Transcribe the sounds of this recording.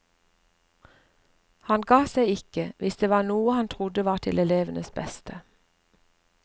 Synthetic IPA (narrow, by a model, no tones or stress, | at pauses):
hɑnɡɑːseɪɪkəʋʔɪsd̪eːʋɑːʁnuːəhɑnt̪ʰʁʊd̪əʋɑːt̪ʰɪlɛleːʋənəsbɛst̪ʰə